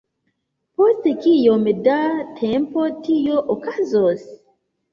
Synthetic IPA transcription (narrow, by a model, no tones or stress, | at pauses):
postkijomdatʰempotijoʔokazos